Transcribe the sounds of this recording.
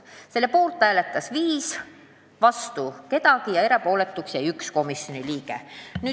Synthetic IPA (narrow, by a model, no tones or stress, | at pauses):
se̞lːepoːlt̪ˑːæːlet̪ːˑɑsviːs | vɑst̪uke̞t̪ɑɡijɑe̞ɾepo̞ːle̞t̪ːˑuksjɑjyksko̞misjo̞niliːke̞̰nyː